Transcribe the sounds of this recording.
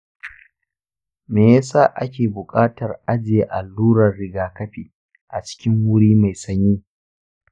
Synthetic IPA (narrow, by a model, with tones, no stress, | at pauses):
meː˨ja˦saː˦˨ʔa˦kʲeː˨bʊ˨kʼaː˦tɐ˨rʔa˦d͡ʒɪ˨je˦ʔa˨lːuː˦ɾɐ˨rːɪ˦ɡaː˨kɐ˦ɸiː˨ | ʔa˨t͡ʃɪ̥˦kʲɪ˦ŋwʊ˦ɽiː˦ma˨jsɐ˦ɲjiː˦